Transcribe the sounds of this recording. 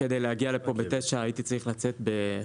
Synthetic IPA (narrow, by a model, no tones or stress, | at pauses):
ked̪ejlehaɡialepo̞bet̪etʃaaːjit̪it͡saʁiχlat͡set̪be̞